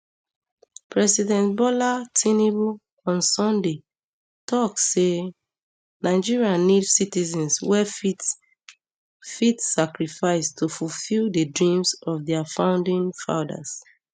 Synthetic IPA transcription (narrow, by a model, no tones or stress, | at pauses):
pɹɛsidɛ̃nt̚bɔlatʰinibu | ɔ̃nsɔ̃nde | tʰɔkse | naɪd͡ʒiɹianidsitizɛ̃nswɛfi | fitsakɹifaɪstʰofulfildədɹĩmsɔfdɛafãʊ̃ndĩnfã̰ʊda̰s